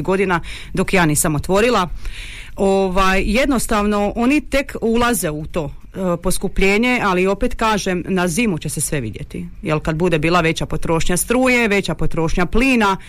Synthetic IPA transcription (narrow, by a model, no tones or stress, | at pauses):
ɡo̞d̪ina | d̪o̞kjaːniːsamo̞t̪ʋo̞ɾilˠa | oʋajje̞d̪nost̪aʋno̞ʔo̞nit̪e̞kulˠaze̞ut̪o̞ | po̞skupʎeːɲe̞alio̞pet̪kaːʒemnaziːmut͡ɕe̞se̞sʋe̞ʋḭd̪je̞̰t̪ḭjelˠkad̪bud̪ebiːlˠaʋe̞t͡ɕapo̞t̪ɾo̞ːʃɲast̪ɾuːje̞ʋe̞t͡ɕapo̞t̪ɾo̞ːʃɲapliːna